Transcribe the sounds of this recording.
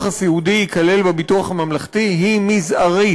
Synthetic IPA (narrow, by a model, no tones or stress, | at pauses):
χasihud̪iikale̞lbebituaχamamlaχt̪iɦimizʔaʁi